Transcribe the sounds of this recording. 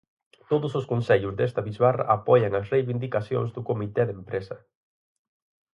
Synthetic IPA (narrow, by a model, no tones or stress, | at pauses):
t̪oðʊsʊskonseʎʊzðest̪ɐβizβarɐ̰ʔapɔjɐŋɐsrejβind̪ikaθjo̰ŋzðʊkomit̪ɛðempɾesɐ